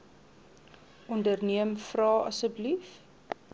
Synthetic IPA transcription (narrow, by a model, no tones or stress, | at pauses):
ʔɔndərniəmfrɑːɐ̰səbəlif